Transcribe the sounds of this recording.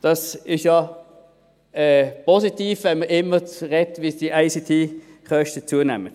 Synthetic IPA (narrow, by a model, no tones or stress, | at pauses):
d̥ɑsɪʃjɑ | ɛpʰɔsitiːfvɛnməɪmːət͡sʁɛtvisd̥iʔaɪsitʰiː | χœʃtət͡suənɛmət